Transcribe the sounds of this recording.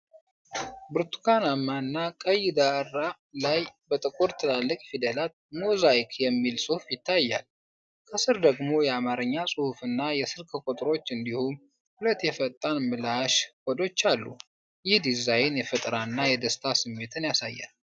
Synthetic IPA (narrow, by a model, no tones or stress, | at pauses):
bɨɾt̪ʰu̥kʰanamːaɨnːakʼəjd̪arːa | lajbət̪ʼɨkʼuɾt̪ʰɨlalːəkʼfid̪əlat̪̚mozajkʰjɛmːilsʼɨhufjɪt̪ʰːajːa̰l | kʰəsɨɾd̪əɡmo̞jɛamaɾɨɲːasʼɨhufɨnːajɛsɨɾkʰəkʼut̪ʼɾo̞t͡ʃːɨnd̪ihum | hulət̪ːjɛfət̪ʼːanmɨlaʃkɔd̪o̞t͡ʃːalːṵ | jɪhd̪izajnjɛfɨt̪ʼɾaɨnːajɛd̪əst̪ʰasɨmːe̞t̪ʰɨnjasajːa̰l